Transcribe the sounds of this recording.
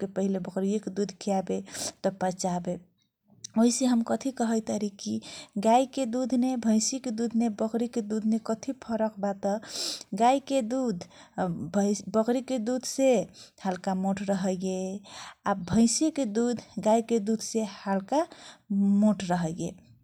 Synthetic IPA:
kepəɦilebəkɾijeked̪ud̪ʱkʰijabet̪ɔpət͡ʃabe | oiseɦəmkət̪ʰikəɦəjt̪əɾikiɡaiked̪ud̪ʱnebʱə̃ɪ̃siked̪ud̪ʱnebəkɾiked̪ud̪ʱnekət̪ʰipʰəɾəkbat̪əɡajked̪ud̪ʱ | bbəkɾiked̪ud̪ʱsehalkamoʈɾəɦəje | abʱə̃ɪ̃siked̪ud̪ʱɡaiked̪ud̪ʱsehalka | moʈɾəɦəje

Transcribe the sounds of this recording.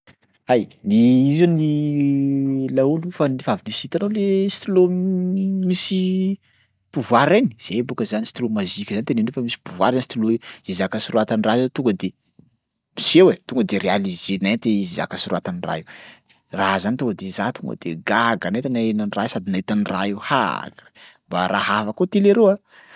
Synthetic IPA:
ajnizani | laulufanivavinisit̪anawlesi̥t̪ulo | misi | puvwaɾeni̥z̥ebukəzanisi̥t̪ulomazikʲzanit̪enenofamisi̥puvwaɾansi̥t̪ulozezakasiɾuat̪aniraɦat̪uŋɡəd̪e | misewet̪uŋɡəd̪eɾealizenent̪eiziza̰kasiruat̪anira̰e | razanit̪uŋɡəd̪ezat̪uŋɡə̰d̪̥eɡaɡanet̪anaenanirasad̪inait̪anira̰ewha̰ɡḁmbaɾʔaɦafakot̪ileɾewa

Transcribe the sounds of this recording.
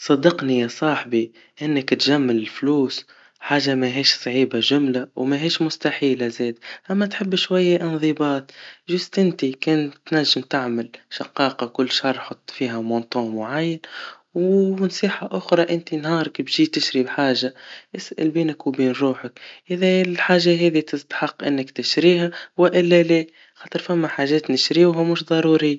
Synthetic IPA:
sˤɑd̪ɑqnijɑsˤɑːħbi | ʔɪnːəkt̪ʒamːɪlɪlfluːs | ħaːʒːamæɦiːʃsˤʕiːbaʒʊmlawmæɦiːʃmʊst̪aħiːlazɛːd̪ʔæmːæt̪ħɪbːʃwajːaʔɪnðˤibɑːt̪ʒʊst̪ʔɪnt̪ikɛːnt̪næʒːɪmt̪aʕmɪlʃɑqɑːqɑkʊlːʃɑrˤːħot̪ˤːfiːɦæmɑnt̪ˤoːmʊʕajːɪn | wnsˤiːħaʔʊxɾˤɑʔɪnt̪inhɑːɾˤɑkbʒiːt̪ɪʃɾibħaːʒaʔɪsʔɪ̰lbiːnɪkwbiːnɾuːħəkʔɪðɛlħaːʒaɦɛːðit̪ɪst̪ḁħɑqːʔɪnːɪkt̪ɪʃɾiːhawɪʔɪlːæleː | xɑːt̪ˤɨɾˤfæmːaħaːʒɛːt̪nɪʃɾiɦamʊʃd̪ˤɑɾuːɾi

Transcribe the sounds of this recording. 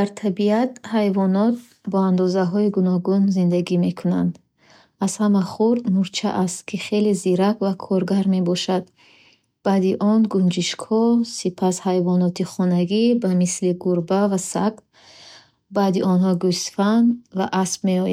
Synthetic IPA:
d̪aɾt̪ʰabiat̪̚hajvɔnɔt̪̚ | bɔand̪ɔzaɦɔiɡunɔɡunzind̪aɡime̞kʰunand̪ | az̥hamaχuɾd̪nuɾt͡ʃʰa̰ʔast̪kʰiχe̞leziɾakvakʰɔɾɡaɾme̞bɔʃad̪ | b̥ad̪iʔɔnɡund͡ʒiʃkʰɔsipʰashajvɔnɔt̪iχɔnaɡibamisliɡuɾbavasakt̪ | bad̪iʔɔnɦɔɡusfanvaʔasb̚me̞ɔja

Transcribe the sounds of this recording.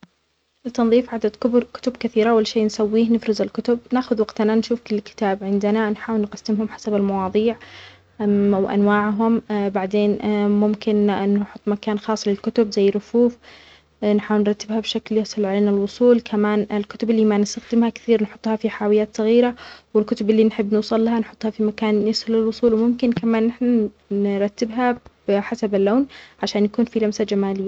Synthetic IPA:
lt̪ːɑnðˤiːfʕad̪ad̪kʊbkʊ̥t̪ʊbkaθiːɾaʔwalːʃeːnsawːiːhnɪfɾɪzalkʊt̪ʊb̚naːʔxʊðwaɡt̪nanʃuːfkʊlkɪ̥t̪aːbʕɪnd̪ɪnanħaːwɪlnqɑsːɪmhʊmħḁsabalmɑwɑːðˤiːʕ | wʔa̰nwaːʕɦʊmbaʕd̪eːnmʊmkɪnːħʊt̪ˤːmakaːnxɑːsˤːlɪlkʊt̪ʊbzajːɾʊfuːf | nħaːwɪlnɾˤɑt̪ːɪbhabʃakljasˤɑlʕaleːnalwʊsˤuːlkʰamaːnɪlkʊt̪ʊbɪlːiːmanɪst̪axd̪ɪmhakθiːɾnħʊt̪ˤːhɑfiħaːwɪjːaːt̪sˤɑɣiːɾawɪlkʊt̪ʊbʔɪlːinħɪbːnuːsˤɑlːaɦanħʊt̪ˤːhɑfimakaːnːɪshʊlɪlwʊsˤuːlwmʊmkɪnkamaːnːɪħna | nɪɾˤɑt̪ːɪbɦab̥ɪħasabalːoːnʕaʃaːnjakuːnfilamsad͡ʒamaːlɪjːa

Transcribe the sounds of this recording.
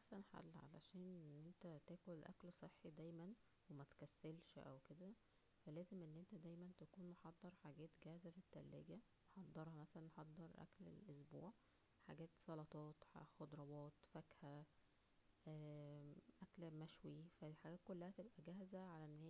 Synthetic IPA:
masænħa̰lːʕa̰læ̰ʃæːnenːʔent̪æt̪æːkolʔæ̰klsˤeħːid̪æjmæn | wemæt̪kæsːelʃʔæwked̪æ | fælæːzemʔenːʔent̪æd̪æjmænt̪ækuːnmoħɑd̪ˤːɑɾˤħaɡæːt̪ɡæhzæfit̪ːælːḛɡæ | moħɑd̪ˤːɑɾˤhɑmæsælænːħɑd̪ˤːɑɾˤʔæ̰klḛlʔosbṵːʕ | ħa̰ɡæːt̪sˤɑlɑt̪ˤɑːt̪ħaxod̪ɾˤɑwɑːt̪fækhæ | ʔæːʔæklmæʃwifæħaɡæːt̪kolːæhæt̪ebʔæɡæːhzæʕalæʔenːhe

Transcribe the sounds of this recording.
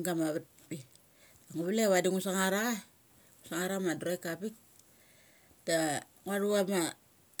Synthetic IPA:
ɡamaβat̚ | bi | aŋuβileβadiŋusaŋaɾa | ŋusaŋaɾamadɾojkapik̚ | ta | ŋaɾuama

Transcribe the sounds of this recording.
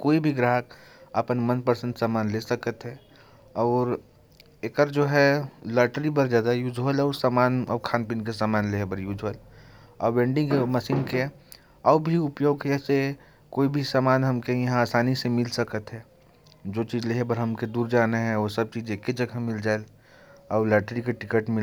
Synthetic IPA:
koːibʱiɡɾaːɦək | əpənmənpəɾsə̃ntsaːmaːnlesəkət̪ɦɛ | ɔːɾ | eːkəɾd͡ʒoːɦɛləɾʈɾibəɾd͡ʒjaːd̪ajuːd͡ʒɦolɔːɾsamaːnɔ̰ːkʰaːnpiːnkesaːmaːnleːɦbəɾjuːd͡ʒʱəl | ɔːʋẽːɳɖɪ̃ŋɡeməsiːnke | ɔːbʱiʊpjoːɡkɛse | koːibʱisaːmaːnɦɐmkejɐɦãaːsaːnisemɪlsəkət̪ɦɛː | d͡ʒoːt͡ʃiːzleɦbəɾɦɐmked̪uːɾd͡ʒaːneɦɛ̃oːsɐb̚t͡ʃiːd͡ʒekːed͡ʒɐɡʱəmɪld͡ʒaːel | ɔːləɾʈɾikeʈɪkəʈmɪl

